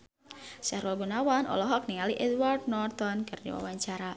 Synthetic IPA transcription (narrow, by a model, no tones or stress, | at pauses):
saɾalɡunawanʔɔ̰lɔɦɔk̚niŋaliʔɛd̪ward̪̚nɔrt̪ɔnkɨrdḭwa̰waɲt͡ʃaɾa